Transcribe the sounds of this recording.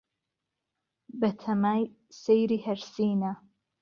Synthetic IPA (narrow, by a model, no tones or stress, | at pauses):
bɐt̪ʰɐmaːj | sejɾiːhɐɾsiːna